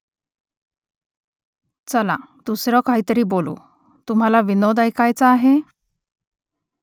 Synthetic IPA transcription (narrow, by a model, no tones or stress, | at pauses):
t͡səlã̰t̪usɾɔkaɦit̪əɾiːbolṵ | t̪um̤alaʋinod̪ajkajt͡saːɦe